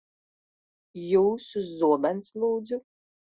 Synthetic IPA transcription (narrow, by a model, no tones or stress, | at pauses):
juːsuzːuɔbanslˠuːd̪zu